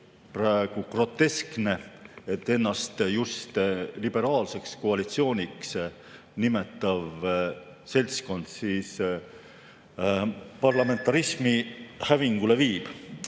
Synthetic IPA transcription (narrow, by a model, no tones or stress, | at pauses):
prɑeɡ̥ukro̞t̪ːe̞skne̞et̪ːe̞nːɑst̪just̪lib̥e̞ɾɑːlse̞ksko̞ɑlit̪sio̞ːnʲiks | nime̞t̪ːˑɑv | se̞lʲt̪sko̞nd̪̥siːs | pɑrlɑme̞nt̪ːˑɑɾismihæviŋɡ̥ule̞viːb̥